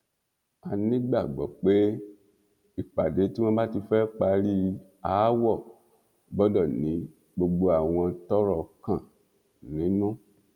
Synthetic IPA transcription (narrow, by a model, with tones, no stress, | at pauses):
a˨nĩ˦ɡ͡ba˦˨ɡ͡bɔ˨k͡pe˦ | i˨k͡pa˨de˨˦ti˦w̃ɔ̃˦ba˦ti˧fɛ˦k͡pa˧ɾi˦ | a˨˦wɔ˦˨ | bɔ˨˦dɔ˦˨nĩ˨˦ | ɡ͡bo˧ɡ͡bo˧a˨w̃ɔ̃˧tɔ˦ɾɔ˨kã˨ | nĩ˨˦nɔ̃˦˨